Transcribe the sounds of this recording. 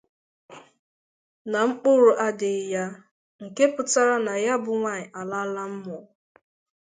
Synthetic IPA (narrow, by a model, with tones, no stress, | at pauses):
na˨ŋ͡m̩˦k͡pʊ˦ɾʊ˨ʔa˦dɪ˨ja˦ | ŋ̩˨ke˦pʊ˨ta˦ɾa˦na˨ja˦bʊ˨ŋʷa˦˨ɲɪ˨ʔa˨la˦la˦m̩˦mɔ˨